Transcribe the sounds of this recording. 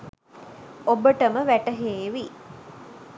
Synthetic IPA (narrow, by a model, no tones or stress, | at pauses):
obəʈəməʋæʈəɦeːʋi